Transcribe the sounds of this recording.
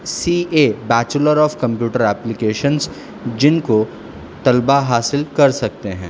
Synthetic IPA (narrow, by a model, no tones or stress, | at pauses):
siːeːbɛːt͡ʃləɾɔːfkɐ̃mpjuːʈəɾɛːplɪkeːʃə̃nz | d͡ʒɪnko | t̪ɐlbaɦaːsɪlkɐɾsɐk̚t̪eɦɛ̃ː